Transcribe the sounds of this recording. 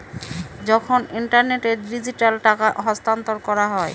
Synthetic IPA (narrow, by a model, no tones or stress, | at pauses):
d͡ʑɔkʰoniɳʈaɾneʈeɾɖid͡ʑiʈalʈakaɦɔst̪ant̪oɾkɔɾaɦɔe